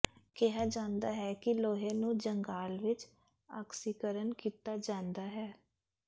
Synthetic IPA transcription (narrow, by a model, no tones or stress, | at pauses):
kɛɦaːd͡ʒãːnd̪aːɦɛːkɪloːɦẽːnũːd͡ʒəŋɡaːlʋɪt͡ʃ | a̰ːksiːkəɾənkiːt̪aːd͡ʒãːnd̪aːɦɛː